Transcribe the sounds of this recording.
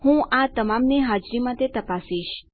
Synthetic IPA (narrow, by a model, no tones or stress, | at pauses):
hũʔat̪əmamneɦad͡ʒɾimãt̪ʰet̪əpasiʃ